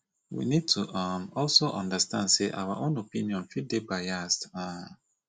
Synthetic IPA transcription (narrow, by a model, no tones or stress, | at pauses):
wḭnid̚tʰuʔamɔlsoʔɔ̃ndəstãndseʔa̰waʔõnopĩniɔ̃nfit̚debaɪasta